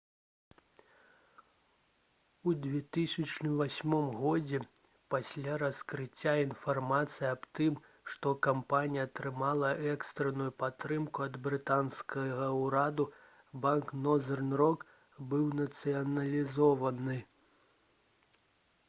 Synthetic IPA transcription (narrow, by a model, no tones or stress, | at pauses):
ud͡zʲvʲɛt̪ɨsʲɐt͡ʂnɨvasʲmɔmɣɔd͡zʲɛ | pasʲlʲaɾɐskɾɨt͡sʲːainfarmat̪sɨjiɐbt̪ɨm | ʂt̪ɔkampanʲijɐːt̪ɾɨmalˠɐʔɛkst̪ɾɛnujupat̪ːɾɨmkuɐd̪bɾɨt̪anskʰɐɣɐwɾad̪u | banknɔzɛrnrɔk | bɨwnɐt̪sɨjɐnɐlʲizɔvɐnɨ